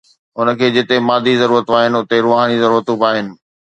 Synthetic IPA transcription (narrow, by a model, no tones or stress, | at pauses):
ʊnə̆kʰeːd͡ʑɪt̪emaːd̪izɐɾuːɾət̪aːɦɪnɪ̆ʊt̪eɾoːɦaːɽ̃izɐɾuːɾət̪ũbaːɦɪnɪ̆